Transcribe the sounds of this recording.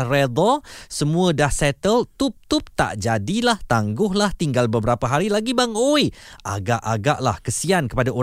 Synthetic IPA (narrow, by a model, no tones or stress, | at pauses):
red̪ɔsəmũə̃dasɛt̪əlt̪ʊp̚t̪up̚t̪a̰ʔd͡ʒadilaht̪aŋɡʊɦlaht̪iŋɡalbəbəɾapaɦaɾilaɡibaŋoja̰ɡaʔaɡaʔla̰hkəsiankə̥padao